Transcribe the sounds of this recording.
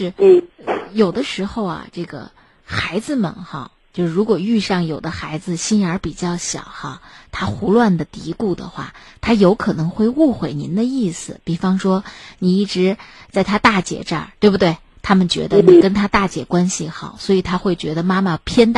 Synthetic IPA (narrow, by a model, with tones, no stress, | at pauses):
ʂɻ̩˥˩˥jo˨˩ʊd̪ə˦ʂɻ̩˧˥xo˥˧ʊɐ̰˨ʈ͡ʂɤ˥˩ɡə̰˩ | xa˧˥ɪd͡zɹ̩˥˧mə̰˨˩nxa̰˥˧ | t͡ɕjo˥˧ʂɻu˧˥kwɔ˨˩y˥˧ʂɑ˥˩ŋjo˨˩ʊd̪ə˦xa˧˥ɪd͡zɹ̩˧ɕi˥nə˞˧˥pi˨˩t͡ɕjɑ˥˩ʊɕjɑ̰˨˩ʊxa˧˩t̪ʰa˥xu˧˥lwa˥˩nd̪ə˩t̪i˧˥ku˥˩d̪ə̰˩xwa̰˥˩ | t̪ʰa˥jo˧˥ʊkʰɤ˨˩nɤ˧˥ŋxwe˥˧ɪu˥˩xwe˨˩ɪnḭ˧˥nd̪ə˧i˥˩sɹ̩˩pi˨˩fɑ˥ŋʂwɔ˥ni˨˩i˥˩ʈ͡ʂɻ̩˧˥t͡sa˥˩ɪt̪ʰa˥t̪a˥˩t͡ɕjɛ̰˨˩ʈ͡ʂa̰˥˧˩t̪we˥˩ɪbu˩t̪we˥˩ɪt̪ʰa˥mə˨nt͡ɕɥɛ̰˧˥d̪ə˧ni˨˩kə˥nt̪ʰa˥t̪a˥˩t͡ɕjɛ̰˨˩kwa˥nɕi˨˩xɑ˨˩˦ʊswɔ˧˥i˨˩t̪ʰa˥xwe˥˩ɪt͡ɕɥɛ˧˥d̪ə˧ma˥ma˨pʰjɛ˥nt̪